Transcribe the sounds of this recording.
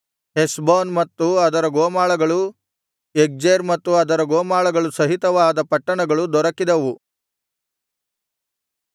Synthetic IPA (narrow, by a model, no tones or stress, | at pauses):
ɦesboːnmɐt̪ːuɐd̪ɐɾɐɡoːmaːɭɐɡɐɭu | ek̚d͡ʒeːɾmɐt̪ːuɐd̪ɐɾɐɡoːmaːɭɐɡɐɭusɐɦit̪ɐʋaːd̪ɐpɐʈːɐɳɐɡɐɭud̪ɔɾɐkːid̪ɐʋu